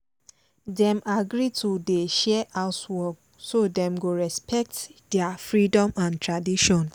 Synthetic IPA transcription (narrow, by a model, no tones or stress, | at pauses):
dɛ̃maɡɾitʰudeʃɛʔaʊtwɔk | sodɛ̃mɡoɹɛspʰɛk̚tdɛafɹidɔ̃mãntɹadiʃɔ̃n